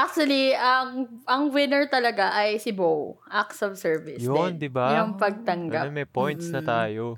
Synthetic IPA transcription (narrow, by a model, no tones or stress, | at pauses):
ʔak̚t͡ʃuɐliɐŋʔɐŋwɪnɛɹt̪ɐlɐɡaʔɐjsɪbowʔaksɔvsɛɹvɪsjond̪ɪbajʊŋpɐɡ̚t̪ɐŋɡamɛjpojnt̪snɐt̪aːjo